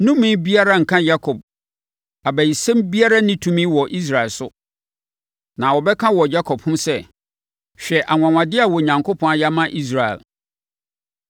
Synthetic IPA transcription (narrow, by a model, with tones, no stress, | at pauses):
nũ˦mɪ̃˦bi˦a˦ɾa˦ŋ̩˨kʰã˦ja˦kʰɔ˨b̚ | a˨bæ˨ji˨sɛ̃˦mbi˦a˦ɾa˦nɪ̃˦tʰũ˦mĩ˦wɔ˨ʔi˦s̬ɾa˨ɛ˨lsʊ˦ | nã˨wɔ˨bɛ˦kʰã˦wɔ˨d͡ʑa˦kʰɔ˨bhʊ̃˦msɛ˦ | ɕᶣɛ˨ʔa˨ŋʷã˨ŋʷã˨dɪ˦a˨wɔ˨ɲã˨ŋkʰʊ˦pʰɔ̃˦a˦ja˦mã˦ʔi˦s̬ɾa˨ɛ̰˨l